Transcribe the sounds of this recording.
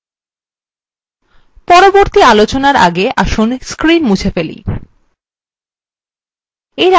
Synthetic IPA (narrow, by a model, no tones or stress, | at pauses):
pɔɾoboɾt̪ialot͡ɕonaɾa̰ɡeʔa̰ʃunskɾinmut͡ɕʰefelḭ | eɾ